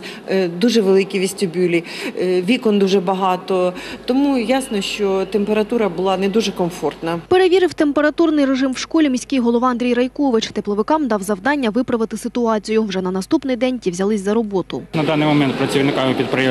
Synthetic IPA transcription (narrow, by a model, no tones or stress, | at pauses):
d̪uʒɛʋelˠɪkʲiʋʲisʲt̪ʲʊbʲulʲiʋʲikɔnd̪uʒɛbɐɦɑt̪ɔt̪ɔmujasnɔʃt͡ʃɔt̪empeɾɐt̪uɾɐbʊlˠɑnɛd̪uʒɛkɔmfɔrt̪nɐpe̞ɾeʋʲiɾɪwt̪empe̞ɾɐt̪urnɪjre̞ʐɪmwʂkɔlʲimʲisʲkʲɪjɦɔlˠɔʋɑɐnd̪ɾʲijrɐjkɔʋɪt͡ʃt̪eplˠɔʋɪkɑmd̪ɑwzɐwd̪ɑnʲːɐʋɪpɾɐʋɪt̪ɪsɪt̪ʊɑt͡sʲijʊwʐɛnɐnɐst̪upnɪjd̪ɛnʲtʲiwzʲɐlˠɪsʲzɐɾɔbɔt̪ʊnɐd̪ɑnɪjmɔmɛnt̪̚pɾɐt͡sʲiwnɪkaɪpʲid̪̚pɾe